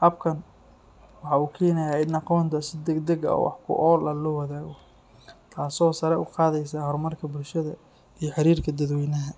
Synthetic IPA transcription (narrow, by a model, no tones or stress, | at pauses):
hɐb̚kʰɐn | wɑħɑuːkʰɛːnɐjaːɪnɑqɔːnt̪ʰɐsɪd̪ɛd̪ɐɡɐ̰ɔ̰ːwɑ̰ħkʰʊ̰ʔɔːlɐlɔːwɐðaːɣɔ | t̪ʰaːsɔːsɐɾɛʔʊqɑːðɛjs̬aːɦɔrmɐrkʰɐbʊlʃɐðɐ | ijɔħɪɾiːrkʰɐd̪ɐd̪wɛjnɐɦɐ